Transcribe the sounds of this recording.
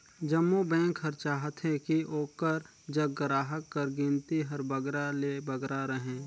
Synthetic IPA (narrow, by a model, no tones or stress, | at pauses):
d͡ʒəmːubɛ̃ːŋkɦəɾt͡ʃaːɦət̪ɦɛ̃kiʔoːkəɾ | d͡ʒəɡəɾaːɦəkːəɾɡĩnt̪iɦɐɾbəɡɾalebɐɡɾaɾəɦẽː